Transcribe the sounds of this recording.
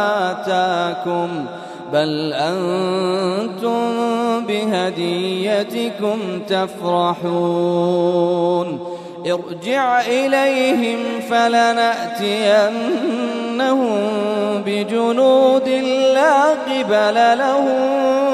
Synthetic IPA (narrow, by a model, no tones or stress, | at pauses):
at̪aːkʊm | balʔan | t̪ʊmbɪɦad̪ɪjːat̪ɪkʊmt̪afɾɑħuː | n | ʔɪɾd͡ʒɪʕʔɪlajɦɪmfalanaʔt̪ɪʔanː | ahʊmbɪd͡ʒʊnuːd̪ɪlaːqɪbalalahʊm